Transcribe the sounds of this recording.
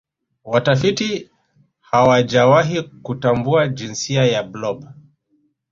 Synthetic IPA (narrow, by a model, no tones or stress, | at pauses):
watafiti | hawad͡ʒawaɦikutambuad͡ʒinsiajablɔba